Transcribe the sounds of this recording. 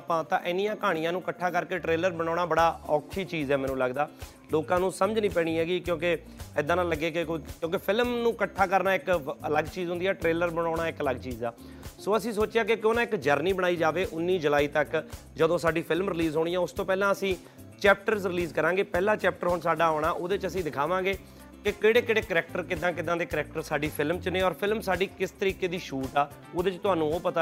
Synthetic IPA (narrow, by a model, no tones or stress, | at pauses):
pãːt̪ãːʔɪnijãːkaːɽ̃ijãːnũːkəʈʰːaːkəɾkeːʈɾeːləɾbəɽ̃aːɽ̃aːbəɽaːɔːkʰiːt͡ʃiːzɛːmɛ̃ːnũːləɡd̪aː | loːkãːnũːsəməd͡ʒnĩːpɛːɽ̃iːɦɛːɡiːkjõːkɪ | ɪd̪aːnãːləɡeːkɪkkjõːkɪpʰɪlmnũːkəʈʰːaːkəɾnaːɪkələɡt͡ʃiːzɦʊ̃nd̪iːɛːʈɾeːləɾbəɽ̃aːɽ̃aːɪkələɡt͡ʃiːza̰ː | soːəsĩːs̬oːt͡ʃɪaːkekoːnãːɪkd͡ʒəɾniːbəɽ̃aːiːd͡ʒaːʋeːʔʊnːiːd͡ʒəlaːiːt̪ək | d͡ʒəd̪õːsaːɖiːpʰɪlmɾɪliːzɦoːɽiːãːʊst̪õːpɛːlãːəsĩː | t͡ʃɛːp̚ʈəɾzɾɪliːzkəɾãːɡeːpɛːlãːt͡ʃɛːp̚ʈəɾɦʊɳsaːɖaːɦoːɽ̃aːʔoːd̪eːt͡ʃəsĩːd̪ɪkʰaːʋãːɡeː | kɪkeːɽeːkeːɽeːkəɾɛk̚ʈəɾkɪd̪ãːkɪd̪ãːd̪eːkəɾɛːk̚ʈəɾsaːɖiːpʰɪlmt͡ʃnẽːɔːɾpʰɪlmsaːɖiːkɪst̪əɾiːkeːd̪iːʃuːʈaː | oːd̪eːt͡ʃt̪ʊɦaːnũːoːpət̪a